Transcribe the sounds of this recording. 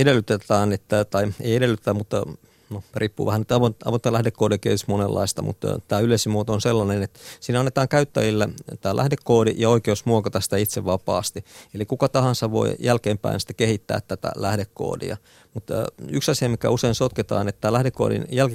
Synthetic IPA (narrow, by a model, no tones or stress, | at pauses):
edelːyt̪et̪æːnet̪ːæt̪ɑiḛiedelːˑyt̪e̥t̪æmut̪ | norʔiːpːṵːʋæhænit̪ɑʋotɑ̰ʋot̪ːɑlæhdekːoːɾiɑkiḛːt̪yst̪monelːɑ̰ist̪ɑmṵt̪t̪æːyleˑisimuot̪oonselːɑnenet̪siːnɑnːet̪ɑːŋkæyt̪ːæjilːet̪æːlæ̰hdekːoːdḭʔjɑoikeusmuokɑt̪ɑsi̥t̪æit̪seʋʋɑpɑ̰ːst̪ielikukɑt̪ɑhɑnsɑʋʋo̰ijælkeːmpæ̰insi̥t̪æ̥kehit̪ːæ̰ːt̪t̪ːæt̪æ̰læhdekːo̰ːdḭɑ̰ | mut̪ːyksɑsiɑmikæ̰useinsot̪ket̪ɑ̰ːnet̪t̪ːæːlæhdekːo̰ːdḭnjælki